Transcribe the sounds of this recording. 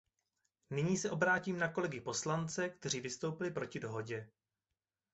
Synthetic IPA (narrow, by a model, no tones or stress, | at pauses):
nɪɲiːsɛʔo̞bɾaːciːmnako̞lɛɡɪpo̞slant͡sɛkt̪ɛr̝iːvɪst̪o̞wpɪlɪpɾo̞cɪdo̞ɦo̞ɟɛ